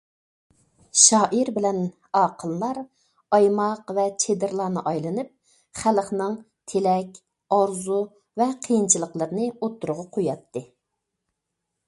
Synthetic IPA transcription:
ʃɑːʔiɾbɪlɛn | ɑːqʰəlˠlˠɑɾ | ɑjmɑqvɛt͡ʃʰed̪ɪɾlˠɑːnɨʔɑjlˠɨnɨp̚ | χæləχnɨŋ | t̪ʰelɛkʲ | ɑɾzu | vɛqʰəjint͡ʃʰilˠəqlˠəɾnɨot̪ʰːuɾʊʁɑqʰojɑt̪ʰːɨ

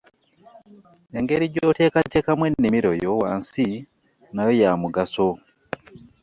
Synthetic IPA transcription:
jeŋɡeɾiɟotekatekamwenːimiɾojowansi | najojamuɡaso

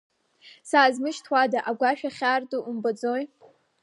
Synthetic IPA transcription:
saːzmɨʃtʰwadaʔaɡʷaʃᶣaχʲaːrduumbad͡zoj

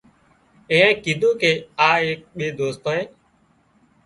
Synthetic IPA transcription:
ẽːẽːkiːd̪ʱõːkeːaːeːk̚ɓeːd̪oːst̪aːẽː

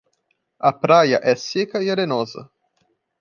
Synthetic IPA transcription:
apɾaja̰ʔɛsekajeɾenozə̰

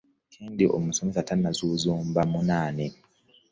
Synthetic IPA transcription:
kʰindiʔo̰musumisatanazuzuːmbamunaːnɛ

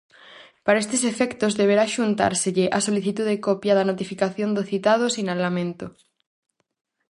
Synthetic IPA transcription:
paɾaest̪esefekt̪ozðeβ̞eɾaʃunt̪a̰ɾseʎeʔasoliθit̪uðekopjaðanot̪ifikaθjond̪oθit̪að̞osinalamẽnt̪o

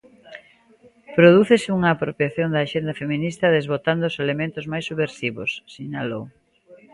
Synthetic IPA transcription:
pɾoðuθesɪuŋɐːpɾopjaθjond̪ɐːʃend̪ɐfemĩnist̪ɐðezβot̪and̪oʊselemẽnt̪ʊzmajsːuβeɾsiβosːiɲalow

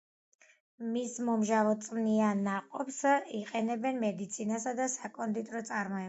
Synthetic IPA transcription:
mismɔmʒavɔt̪sʼmnianːaqʼɔpsiqʼɛnɛbɛnmɛd̪it̪sʰinasad̪asakʼɔnd̪it̪ʼɾɔt̪sʼaɾmɔɛ

